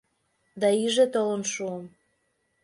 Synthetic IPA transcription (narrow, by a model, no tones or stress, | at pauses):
d̪ɑiʒet̪olənʃuəm